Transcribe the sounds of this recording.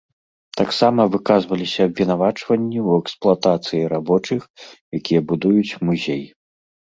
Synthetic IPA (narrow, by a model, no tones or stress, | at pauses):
t̪aksamɐvɨkazvɐlʲisʲɐːbʲvʲinavat͡ʂvɐnʲːiwɛksplˠat̪at̪sɨjiɾabɔt͡ʂɨxjakʲijɐbud̪ujut͡sʲmuzʲeji